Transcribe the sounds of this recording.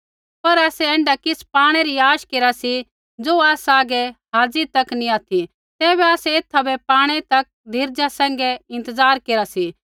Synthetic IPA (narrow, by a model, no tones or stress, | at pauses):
pɐɾaːsɛɛ̃ːɳɖakɪspaːɽ̃ɛɾiaːʃkeːɾasi | d͡zoaːsaːɡɛɦaːd͡zit̪ɐkniaːt̪ʰi | t̪ɛːβɛaːsɛeːt̪ʰːabɛpaːɽ̃ɛt̪ɐk̚d̪ʱɪɾd͡ʒasɛ̃ːŋ̆ɡɛɪ̃nt̪əzaːɾkeːɾasi